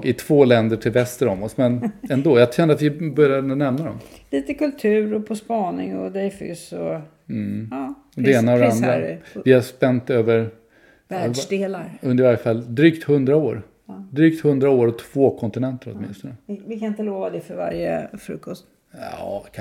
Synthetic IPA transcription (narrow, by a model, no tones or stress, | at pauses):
ɪt̪ʰv̥oːlɛnd̪əʈʰɪlvɛst̪əɾɔmɔsmɛnɛnd̪oːjɑaɕɛnd̪əat̪vɪbœɾjad̪nɛmnad̪ɔmliːt̪əkɵlt̪ʰʉ̟ːɾɔpʰɔspɑːnɪ̰ŋɔd̪ɛjfʏ̰sɔ | ɔd̪ɛeːnaɔd̪ɛand̪ɾavɪhaspɛnt̪øːvəɾ | vdeːlaɾɵnd̪əɾvaɾjəfald̪ɾyːkt̪hɵnd̪ɾaoːɾ | d̪ɾyːk̚t̪hɵnd̪ɾaoːɾɔt̪ʰv̥oːkʰɔnt̪ɪnɛnt̪əɾɔ̰t̪mɪ̰nst̪ɔnəvɪkʰanɪnt̪əloːvad̪ɛfœɾva̰ɾjə̰fɾɵ̰kːɔst̪ | ɑːkʰ